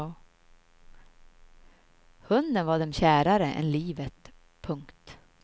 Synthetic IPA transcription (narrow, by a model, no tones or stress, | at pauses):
hɵnd̪ənvaɖɛmɕæːɾaɾəʔɛ̰nliːvət̪ | pʰɵŋkt̪